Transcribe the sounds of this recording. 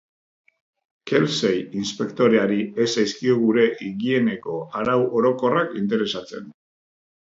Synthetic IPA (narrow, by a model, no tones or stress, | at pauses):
ke̞lsejinspe̞kt̪o̞ɾe̞aɾiesajskio̞ɣuɾe̞ʔiɣie̞ne̞ko̞aɾawʔo̞ɾo̞ko̞rakint̪̬e̞ɾe̞sat͡se̞̰n